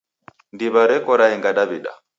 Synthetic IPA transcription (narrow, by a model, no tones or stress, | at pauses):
ndiβaɾɛkʼɔɾaɛŋɡaɗaβiɗa̰